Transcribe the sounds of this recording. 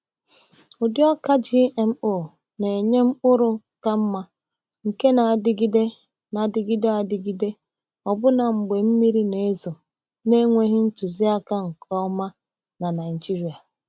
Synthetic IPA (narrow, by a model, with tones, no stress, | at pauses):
ʊ˨djɔ˦ka˦d͡ʒi˦ʔe˨m̩˦o˦˨ | ne˨e˨ɲe˦m̩˦ʊ˦ɾʊ˦ | ka˦m̩˦ma˦ | ŋ̩˨ke˦na˨dɪ˦ɡi˦de˦ | na˨dɪ˨ɡi˦de˦a˨dɪ˨ɡi˦de˦ | ɔ˨bʊ˦na˨ŋ͡m̩˨ɡ͡be˨m̩˦mi˦ɾi˦ne˨˦zɔ˨ | ne˦ŋʷe˦ɦɪ˦n̩˦tʊ˨zi˦a˦ka˦ŋ̩˨kʰɔ˦ma˦ | na˨na˨ɪ˨d͡ʒi˦ɾi˨a˨